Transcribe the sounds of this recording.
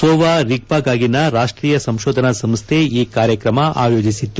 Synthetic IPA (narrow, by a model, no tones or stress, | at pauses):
soːʋaɾik̚paːɡaːɡinɐɾaːʂʈɾiːjɐsɐmʃoːd̪ʱɐnɐsɐmst̪ʰeiːkaːɾjɐkɾɐmɐa̰ːjo̞ːd͡ʒisit̪ːu